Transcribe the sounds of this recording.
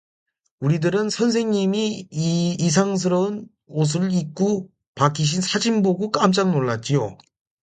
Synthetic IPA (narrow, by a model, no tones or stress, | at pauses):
uɾidɯɾɯnsʰʌns̬ʰe̞ŋɲimiiːs̬ʰaŋs̬ʰɯɾʌɯn | os̬ʰɯɭik͈u | pak͈ʰiɕ̬ʰinsʰad͡ʑimboɡuk͈amt͡ɕ͈aŋnoɭːat̚t͡ɕ͈ijo̰